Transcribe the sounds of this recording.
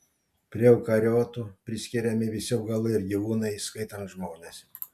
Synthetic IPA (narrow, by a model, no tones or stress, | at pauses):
pʲɾʲiɛɛʊkɐɾʲoːt̪uːpʲɾʲɪsʲkʲɪɾʲɛmʲɪʋʲɪsʲɪʊɡɐlˠɐɪɾɡʲiʋuːnɐɪskɐɪt̪ɐnt̪ʒmoːnʲes